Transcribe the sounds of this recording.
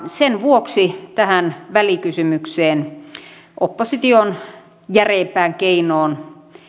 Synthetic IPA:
senʋuoksit̪æhænʋælikysymykseːn | ʔopːosit̪ion | jæreːmpæːŋkeinoːn

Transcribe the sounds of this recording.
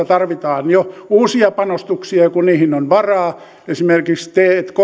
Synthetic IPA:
ɑt̪ɑrʋit̪ɑːnjouːsiɑpɑnost̪uksiɑkuniːhinonʋɑrɑː | esimerkikst̪eːet̪ko

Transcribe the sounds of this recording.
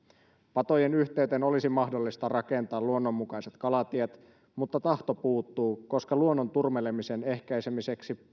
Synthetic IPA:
pɑt̪o̞je̞nyçt̪e̞yɥt̪e̞no̞lisimɑɦdo̞lːist̪ɑrɑke̞nt̪ɑːluo̞nːo̞mːukɑjse̞t̪kɑlɑt̪iet̪ | mut̪ːɑt̪ɑht̪o̞puːt̪ːuːko̞skɑluonːo̞nt̪urmele̞misene̞hkæjsemise̞ksi

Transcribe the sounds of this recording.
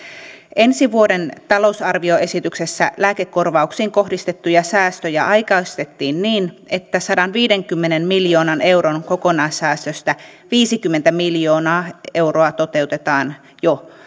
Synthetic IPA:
ʔe̞nsiʋuo̞de̞nt̪ɑlo̞usɑrʋio̞e̞sit̪ykse̞sːæ̰læːkekːo̞rʋɑuksiːŋko̞ɦdist̪e̞t̪ːujɑsæːst̪øjæʔɑjkɑst̪e̞t̪ːiːnniːn | e̞t̪ːæsɑdɑnʋiːde̞ŋkymːenenmiljo̞ːnɑne̞wɾonko̞ko̞nɑisæːst̪øst̪æʋiːsikymːe̞nt̪æmiljo̞ːnɑːe̞wroɑt̪o̞t̪e̞ut̪e̞t̪ɑːn | jo

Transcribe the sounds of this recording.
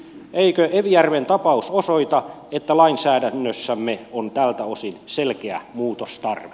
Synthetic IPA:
ʔeikøʔeʋijærʋent̪ɑpɑusosoit̪ɑet̪ːælɑinsæːdænːøsːæmːeont̪ælt̪æosinselkeæ̰muːt̪ost̪ɑrʋe̥

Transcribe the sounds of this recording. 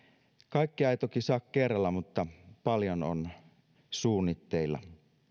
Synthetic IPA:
kɑˑikːiɑjt̪okisɑkkerːɑlːɑmut̪ːɑpɑljono̰n | suːnːit̪ːeilːˑɑ̰

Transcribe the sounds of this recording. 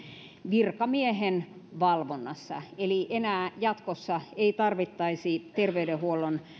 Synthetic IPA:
ʋirkɑmiehenʋɑlʋonːɑsːɑ̰eliʔenæːjɑt̪kosːɑeit̪ɑrʋit̪ːɑisit̪erʋeydehuolːˑon

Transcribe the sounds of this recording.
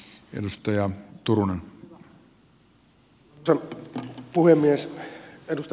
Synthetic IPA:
ḛdust̪ɑjɑt̪urunen | sɑnpuhemːiesedust̪

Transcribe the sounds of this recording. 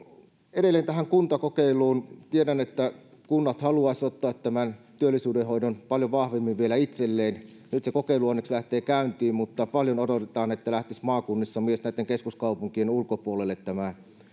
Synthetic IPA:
edelːˑeːnt̪æhæŋkunt̪ɑkokeˑilˑuːnt̪iedænet̪ːæ | kunːɑt̪hɑluɑˑsʲot̪ːɑːt̪t̪æmænt̪yølːisyːdehoˑidonpɑljoʋɑhʋemːiʋʋielæit̪selːeːn | nyt̪sekokeˑiluɑnːekslæht̪eːkæˑynt̪iːmmut̪ːɑpɑljonodot̪et̪ɑːnet̪ːælæht̪ismɑːkunːisːɑmiesnæˑit̪ːeŋkeskuskɑˑupuŋkienulkopuolelːet̪t̪æmæ

